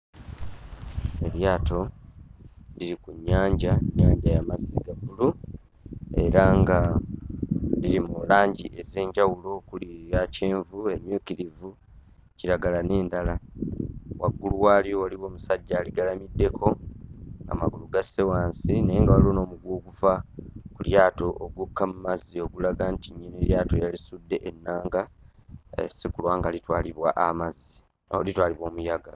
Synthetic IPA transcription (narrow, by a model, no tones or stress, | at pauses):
e̞ɾjaːto̞ | liɾikuɲːaːɲɟaɲːaːɲɟajamaziɡaɡulu | e̞̰ɾaŋɡa | lilimulaːɲɟiʔe̞ze̞ːɲɟawulo̞kulijace̞ːɱvue̞ɲuːkiɾivu | ciɾaɡalane̞ːndala | wʔa̰ɡːuluwaːljowaliwo̞ːmusaɟːaːliɡalamidːe̞kʰo̞ | a̰ma̰ɡuluɡase̞waːnsinajeŋɡawaliono̞ːmuɡwo̞ːkufakuljaːto̞ʔoɡukʰːamumazio̞ɡulaɡantiɲːineɾjaːto̞jalisudːe̞ʔenːaːŋɡa | ḛsikulwaːŋɡalitwaːliβwaʔamazi | olitwaːliβwo̞ːmujaɡa